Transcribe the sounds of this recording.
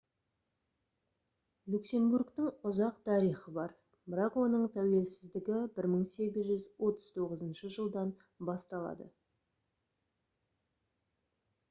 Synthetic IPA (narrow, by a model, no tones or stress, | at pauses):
lʲukse̞mbuɾkt̪əŋʊzɑqt̪ʰɑɾijχəbɑɾ | bɪɾɑqwo̞nəɴt̪ʰæwe̞lsɪzd̪ɪɡʲɪbɪɾməɴse̞ɡʲɪzʒʏzwo̞t̪əz̥t̪ʰo̞ʁəzənʃəʒəlˠd̪ɑn | bɑst̪ɑlˠɑ̰d̪ə̰